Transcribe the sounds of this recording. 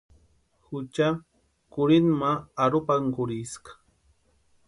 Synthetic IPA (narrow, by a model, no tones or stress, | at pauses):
hʊt͡ʃa | kʊɾɪnmaaɾʊpaŋkʊɾɪskḁ